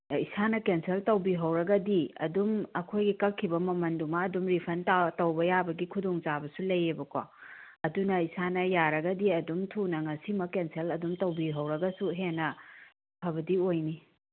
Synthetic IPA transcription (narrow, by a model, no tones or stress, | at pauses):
isʰanɐkenseltɐwbiɦɐwɾɐɡɐdiɐ̰dumɐkʰojɡikɐkʰːibɐmɐmɐndumɐːdumɾipʰɐntatɐwbɐjabɐɡikʰudoŋt͡ʃabɐsulɐjːebɐkwa | ɐdunɐisanɐjaɾɐɡɐdiɐdumtʰunɐŋɐsimɐkenselɐdumtɐwbiɦɐwɾɐɡɐsuɦenːɐ | bʰʱɐβɐdiojni